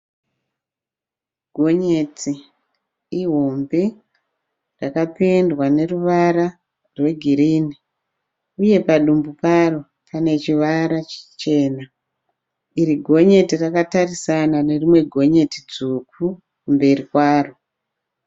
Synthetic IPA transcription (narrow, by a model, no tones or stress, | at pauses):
ɡʱo̞ɲeti | iɦombe | rakapendwane̞ruʋaɾa | rwe̞ɡʱiɾiːni | uje̞paɗumbuparo | pane̞t͡ʃiʋaɾat͡ʃt͡ʃe̞ːna | iɾiɡʱo̞ɲe̞tirakatarisanane̞rimwe̞ɡʱo̞ɲe̞tid͡zuku | kumbe̞rikwaːro